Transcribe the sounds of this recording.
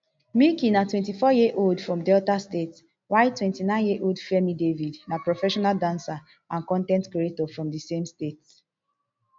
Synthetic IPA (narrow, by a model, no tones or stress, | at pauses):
mikĩnatwɛ̃ntifɔjiʔoldfɹɔ̃mdɛltastet | waɪtwɛ̃ntinãɪ̃njeʔoldfɛmidevidnapɹɔfɛʃɔnaldãnsa | ãnkɔ̃ntɛ̃ntkɾietɔfɹɔ̃mdisẽmstet